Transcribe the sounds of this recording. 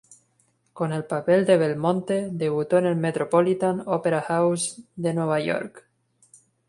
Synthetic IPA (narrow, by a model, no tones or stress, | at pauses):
ko̞ne̞lpapeld̪eβelmõnt̪eðe̞βut̪oenelmet̪ɾopolit̪anopeɾaxawsd̪enweβ̞ajo̞̰ɾk